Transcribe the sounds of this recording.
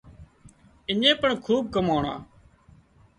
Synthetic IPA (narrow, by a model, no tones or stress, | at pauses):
ɪɲẽːpəɳkʰuːb̚kəmoːɳã̰ː